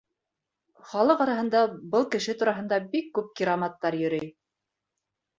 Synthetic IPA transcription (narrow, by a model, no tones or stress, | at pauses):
χɑlˠɤqɑɾɑɦɤ̆nd̪ɑbɤlˠkɘ̆ʃɘt̪uɾɑɦɤ̆nd̪ɑbikːʉp̚kʲiɾamɑt̪ːɑɾjɵ̆ɾɘj